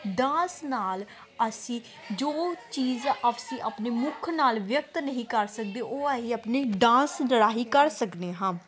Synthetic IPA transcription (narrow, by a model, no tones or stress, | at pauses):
ɖãːsnaːl | əsĩː | d͡ʒoːt͡ʃiːzəsĩːʔəpneːmʊkʰnaːlʋjək̚t̪nəɦĩːkəɾsək̚d̪eːʔoːaɦiːəpneːɖãːsnəɽaːɦiːkəɾsəkd̪eːɦãː